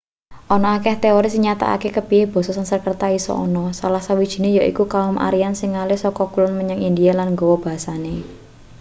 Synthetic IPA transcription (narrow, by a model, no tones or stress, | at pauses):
ʔɔnɔakɛht̪eɔɾɪsɲat̪a̰ʔa̰kekəpieb̥ɔ̤sɔsansərkərt̪aisɔ̰ʔɔ̰nɔsalahsawid̥ʒ̥i̤nejaʔḭkukaɔmʔa̰ɾiansɪŋːalɪhsɔkɔkulʊnməɲəŋind̪ialanŋɡɔwɔb̥a̤ɦasane